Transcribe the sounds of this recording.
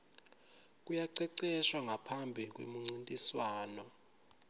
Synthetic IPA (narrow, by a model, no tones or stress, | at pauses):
k̬ʼujaǀɛǀɛʃwaŋʱapʰambʱik̬ʼwḛmuŋ͡ǀintʼiswaːnɔ